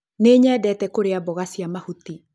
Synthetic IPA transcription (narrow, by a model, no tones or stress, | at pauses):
neːɲɛːdɛtɛkoɾeabɔɣasiamahuti